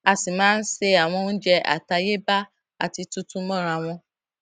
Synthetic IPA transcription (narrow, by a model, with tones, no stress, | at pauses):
a˧si˨mãː˦n̩˦se˧a˨w̃ɔ̃˧˦n̩˦d͡ʒɛ˧a̰˨ta˧je˦ba˦ | a̰˨ti˧tũ˦tũ˦mɔ̃˦˨ɾ̃a˧w̃ɔ̃˧